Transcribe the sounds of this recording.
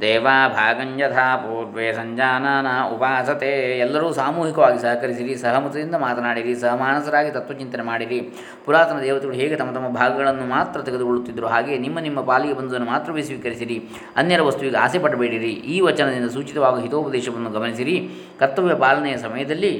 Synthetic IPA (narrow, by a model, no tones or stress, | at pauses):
d̪ɛːʋaːbʱaːɡɐɲd͡ʒɐt̪ʰapoːʈʋeːsɐɲd͡ʒaːnaːnɐupaːsɐt̪eːɛlːɐɾuːsaːmuːɦikɐʋaːɡisɐɦɐkɐɾisiɾisɐɦɐmut̪ɐd̪ind̪ɐmaːt̪ɐnaːɽiɾisɐɦɐmaːɳɐsɐɾaːɡit̪ɐt̪ʋɐt͡ʃint̪ɐnemaːɽiɾi | puɾaːt̪ɐnɐd̪ɛːʋɐt̪iɡɐɭuɦeːɡet̪ɐmːɐt̪ɐmːɐbʱaːɡɐɡɐɭɐnːumaːt̪ɾɐt̪eɡed̪uɡoɭut̪ːid̪ɐɾuɦaːɡe̞ːnimːɐnimːɐpaːliɡebɐnd̪ud̪ɐnːumaːt̪ɾɐʋesʋiːkɐɾisiɾi | ɐnːjɐɾɐʋɐst̪uʋiɡeaːseːpɐɽɐbeːɽiɾiiːʋɐt͡ʃɐnɐd̪ind̪ɐsuːt͡ʃit̪ɐʋaːɡuɦit̪oːupɐd̪ɛːʃɐʋɐnːuɡɐmɐnisiɾi | kɐt̪ːuʋjɐpaːlɐnɛjɐsɐmɐjɐd̪ɐlːi